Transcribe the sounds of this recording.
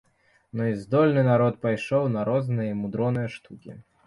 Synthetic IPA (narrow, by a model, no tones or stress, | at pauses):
nɔizd̪ɔlʲnɨnaɾɔt̪̚pajʂɔwnɐɾɔznɨjɐmud̪ɾɔnɨjɐʂt̪ukʲḭ